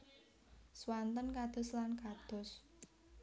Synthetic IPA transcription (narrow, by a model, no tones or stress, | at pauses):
swant̪ənkad̪̥ʊ̤slankad̪̥ɔ̤s